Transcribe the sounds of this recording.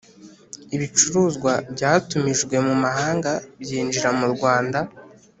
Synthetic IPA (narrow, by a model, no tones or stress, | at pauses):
iβit͡ʃuɾuːzɡwabɟaːtumiʒɡwe̞mumaɦaːŋɡabjiːnd͡ʒiɾamuɾɡwaːnda